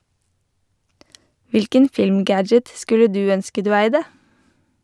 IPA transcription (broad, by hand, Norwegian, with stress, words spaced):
ˈʋɪlkən ˈfɪlmˌɡæd͡ʒət ˈskʉlə ˈdʉː ˈœnskə ˈdʉː ˈæɪdə